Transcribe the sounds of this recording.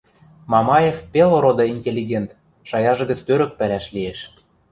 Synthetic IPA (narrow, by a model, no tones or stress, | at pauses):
mɑmɑjefpeloɾod̪ɤ̆inʲtʲelʲːiɣʲent̪ | ʃɑjɑʒɤ̆ɣə̆t͡st̪øɾə̆k̚pælæʃlieʃ